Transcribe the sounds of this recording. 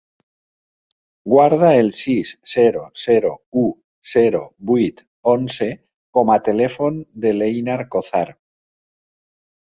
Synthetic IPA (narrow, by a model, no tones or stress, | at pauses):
ɡwaɾð̞aelsisːeɾoseɾou | seɾo̰bwit̪ | onse | komat̪e̞lefo̞nd̪elejnaɾkoθaɾ